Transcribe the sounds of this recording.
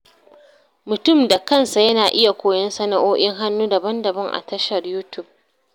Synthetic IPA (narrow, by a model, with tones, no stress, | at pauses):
mʊ˨tʊ˦˨mda˨kɐ˦nsa˨jɐ˦naː˨ʔɪ˦ja˨kʷoː˨jɐ˦nsɐ˦na˨ʔoː˦ʔʲɪ˦ŋɦa˦nːuː˦dɐ˨bɐ˦ndɐ˨bɐ˦ŋʔa̰˨tɐ˦ʃɐ˨rjuː˦tʊ˦˨b̚